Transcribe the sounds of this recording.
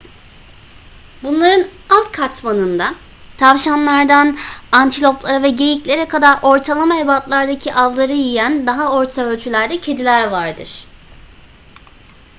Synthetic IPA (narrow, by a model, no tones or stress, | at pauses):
bunlˠaɾɯnalˠt̪kʰat̪manɯnd̪a | t̪ʰavʃanlˠaɾd̪anant̪ʰilʲo̞plˠaɾavɛɟe̞jiclʲe̞ɾɛkʰad̪aɾʔo̞ɾt̪ʰalˠamaɦebat̪lˠaɾd̪acʰiʔalˠːaɾɯjijænd̪aɦao̞ɾt̪ʰaølʲt͡ʃʰylʲæɾd̪ɛcʰe̞d̪ilʲæɾvaɾd̪ɯɾ̥